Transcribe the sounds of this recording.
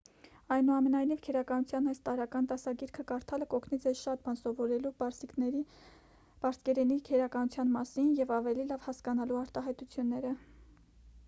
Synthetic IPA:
ɑjnuɑmɛnɑjnivkʰɛɾɑkɑnut͡sʰjɑnɑjst̪ɑɾɑkɑnt̪ɑsɑɡiɾkʰəkɑɾt̪ʰɑləkɔkʰnit͡sɛʃɑt̪̚bɑnsɔvɔɾɛlusiknɛɾi | b̥ɑɾskɛɾɛnikʰɛɾɑkɑnut͡sʰjɑnmɑsinjɛvɑvɛlilɑvhɑskɑnɑluɑɾt̪ɑɦɑjt̪ut͡sʰjunːɛɾə

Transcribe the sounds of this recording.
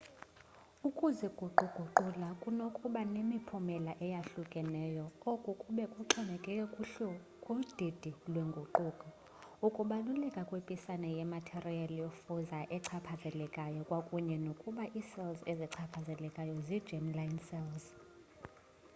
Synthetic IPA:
ukʼuzɛɡ̥ʱuǃuɡ̥ʱuǃulakʼunokʼuɓanemipʰumɛlaʔɛjaɬukʼɛnɛːjɔokʼukʼuɓɛkʼuǃʰɛmɛkʼɛ | kʼud̥ʱid̥ʱilwɛŋɡʱoǃukʼɔ | ukʼuɓalulɛkʼakʼwepʼisanɛjɛmatʰerialjofuzaʔɛǀʰapʰazɛlɛkʼajɔkʼwakʼuɲɛnokʼuɓaʔisɛlzeziǀʰapʰazɛlɛkʼajɔzid̥d͡ʒʱɛmlainsɛlz

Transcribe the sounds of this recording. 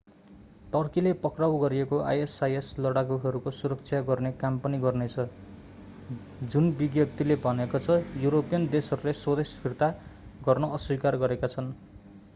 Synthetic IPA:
ʈʌrkilepʌkrawɡʌɾiekoʔa̰jesajeslʌɽaɡuɦʌɾukosuɾʌkt͡sʰjaɡʌrnekampʌniɡʌrnet͡sʰʌ | d͡zunbiɡjʌp̚t̪ilebʱʌnekot͡sʰʌjuɾopijʌnd̪esʌɾuleswʌd̪espʰirt̪aɡʌrnʌʌswikarɡʌɾekat͡sʰʌn

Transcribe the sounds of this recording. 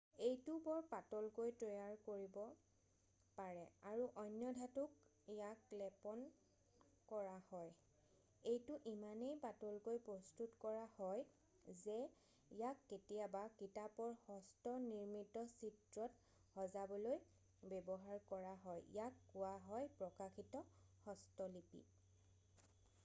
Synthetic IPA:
ejtʊbɔɹpatɔlkojtɹɔjaɹkoɹibɔ | paɹɛaɹuʔɔjnjɔdʱatuk | ijaklɛpɔn | kɔɹahɔj | ejtʊʔimanejpatɔlkojpɹɔstutkɔɹahɔj | zɛ | ijakːetijabakitapɔɹhɔstɔniɹmitɔsitɹɔt | hɔzabɔloj | bɛbɔɦaɹkɔɹaɦɔjjakːʊwaɦɔjpɹɔkaxʰitɔxɔstɔlipḭ

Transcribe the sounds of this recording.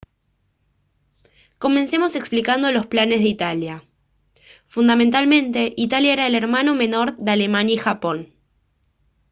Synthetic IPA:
ko̞mẽ̞nse̞mo̞se̞ksplikand̪olo̞splane̞zðeit̪alja | fund̪ament̪almẽ̞nt̪e̞ʔit̪aljaeɾaele̞ɾmano̞me̞no̞ɾðeale̞mãnjaixapo̞n

